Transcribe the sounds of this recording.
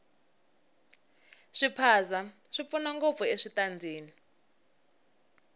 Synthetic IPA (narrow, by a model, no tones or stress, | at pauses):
ʂipʰazaʂip̪funaŋɡop̪fɔeʂitand͡zʱeːni